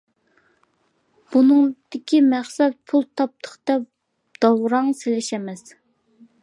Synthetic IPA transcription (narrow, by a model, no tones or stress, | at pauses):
b̥unɨŋd̪̥ɪkʲimæχsɛp̪̚pʰulˠt̪ʰɑp̚t̪ʰə̥χt̪ɛp | d̪̥ɑwɾɑŋselɪʃɛmɛs